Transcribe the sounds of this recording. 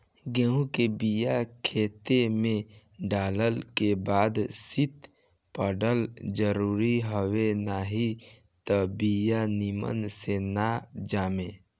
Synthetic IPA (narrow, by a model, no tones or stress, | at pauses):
ɡeũkebijakʰeːt̪emẽ | ɖaːləlkebaːd̪sit̪ | pəɖəld͡ʒəɾuːɾiɦəwenaːɦi | t̪əbijanimə̰nsenad͡ʒaːme